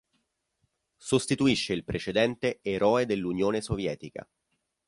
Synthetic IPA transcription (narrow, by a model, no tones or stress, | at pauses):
sost̪it̪uiʃːeilpɾet͡ʃed̪ɛnt̪eːɾɔːed̪elːunjoːnesovjɛːt̪ika̰